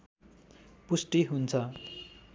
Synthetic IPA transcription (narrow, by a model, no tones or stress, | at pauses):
pusʈiɦunt͡sʰʌ